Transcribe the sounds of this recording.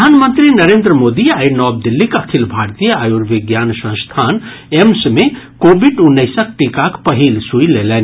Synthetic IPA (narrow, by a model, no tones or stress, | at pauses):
əanmənt̪ɾinəɾeːnd̪ɾəmod̪iainɔb̚d̪ilːikɐkʰilbʱaɾt̪ijəajuɾʋiɡjansə̃st̪ʰan | emsmekobʱiɖunːəɪsək̚ʈikakpəɦilsujlelɛn